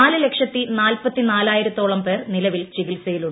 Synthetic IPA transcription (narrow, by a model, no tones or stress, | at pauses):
aːlɨle̞kʂɐt̪ːinaːlpɐt̪ːinaːlaːjiɾut̪o̞ːɭɐmpe̞ːrnilɐʋilt͡ɕiɣilsɐjiluɳɖ